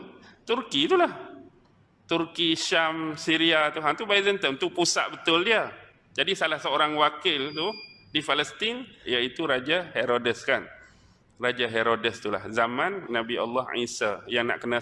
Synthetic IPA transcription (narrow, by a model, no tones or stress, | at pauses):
t̪urkit̪ulah | t̪urkiʃamsiɾiat̪uɦant̪ubaizənt̪əmt̪upusa̰ʔ̚bət̪ʊldiə | d͡ʒadisalahsəoɾaŋwakɪlt̪udifaləst̪injait̪uɾad͡ʒaheɾodəskan | rad͡ʒaɦeɾodəst̪ula̰hzamãnːãbia̰lːɑhḭsajaŋna̰ʔkəna